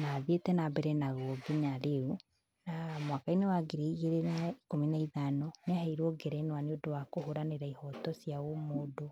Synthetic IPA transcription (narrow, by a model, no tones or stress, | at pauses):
naðetɛnabɛɾɛnaɣɔɡinaɾeu | namwakainɛwaɡeɾeɣeɾenaikominaiðanɔneaɦɛiɾɔɡɛɾɛnowaneodowakoɦoɾaneɾaihɔtɔsjaomodo